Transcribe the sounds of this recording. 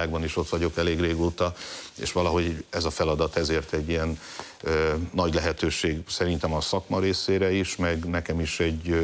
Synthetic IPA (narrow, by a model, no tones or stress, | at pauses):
aːɡ̚bɒniʃo̞t̪ʋɒɟo̞kɛleːɡreːɡoːt̪ɒḛːʃʋɒlɒɦo̞ɟɛzɒfɛlɒd̪ɒt̪ɛzeːrt̪ɛɟːijɛn | ɒɟlɛɦɛt̪øːʃeːɡsɛɾint̪ɛmɒsɒkmɒɾeːseːɾɛiʃmɛɡnɛkɛmiʃɛɟː